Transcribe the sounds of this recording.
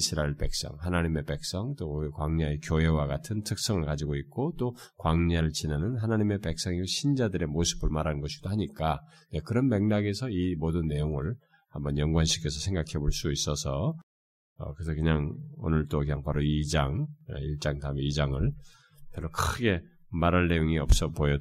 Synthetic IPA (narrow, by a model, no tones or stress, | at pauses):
ɕʰiɾaɭpe̞̰k̚s͈ʌ̰ŋhanaɲime̞pe̞k̚s͈ʌŋt͈oikwaŋɲaekjoɦe̞waɡatʰɯntʰɯk̚s͈ʌŋɯɭkad͡ʑiɡoit̚k͈ot͈okwaŋɲaɾɯɭt͡ɕinanɯnɦanaɲime̞pe̞k̚s͈ʌŋiɕʰind͡ʑadɯɾe̞mosʰɯ̥bɯɭmaɾanɯnɡʌɕʰid̥ohaɲik͈a | ne̞kɯɾʌnmeŋnaɡe̞sʰʌimodɯnːe̞joŋɯɭ | hambʌnjʌŋɡwanɕʰikʰe̞sʰʌsʰe̞ŋɡakʰe̞boɭs͈uis͈ʌsʰʌ | ʌ̰kɯesʰʌkɯɲaŋo̰nɯɭt͈okjaŋpʰaɾoid͡ʑaŋḛiɭt͡ɕ͈aŋtaɯmeid͡ʑaŋɯɭ | pjʌɾokʰɯɡe̞maɾanːe̞joŋiʌp̚s͈ʌpojʌ